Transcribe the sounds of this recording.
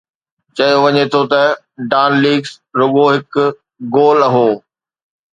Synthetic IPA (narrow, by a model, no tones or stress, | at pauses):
t͡ɕɐjoʋɐɲet̪ʰot̪ɐ | ɖaːnliːɡs | ɾʊɠoɦɪkʊ | ɡoːlɐɦoː